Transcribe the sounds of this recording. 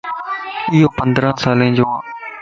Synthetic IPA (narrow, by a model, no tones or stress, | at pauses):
ɪɦoːpənd̪ɾãːsaːlẽːd͡ʒoːaː